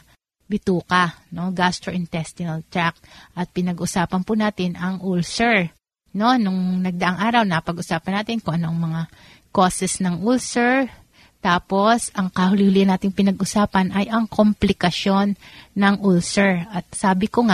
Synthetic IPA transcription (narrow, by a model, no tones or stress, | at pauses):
bɪt̪uːkɐno̞ɡast̪ɾoʔɪnt̪ɛst̪ɪnɐlt̪ɹak̚ʔɐt̪̚pɪnɐɡʔʊsaːpɐnpʊnaːt̪ɪnʔɐŋʔulsɛɹ | no̞nʊŋnɐɡ̚d̪ɐʔaŋʔaːɾɐwnɐɐpɐɡʔʊsaːpɐnːaːt̪ɪnkoŋʔɐnoʔɐŋmɐŋa | kosɛsnɐŋʔulsɛɹ | t̪aːpo̞sʔɐŋkɐhʊlɪhʊlɪɐnaːt̪ɪŋpɪnɐɡʔʊsaːpɐnʔɐjʔɐŋkʰomplɪkɐʃo̞nːɐŋʔulsɛɹʔɐt̪̚saːbɪkoŋa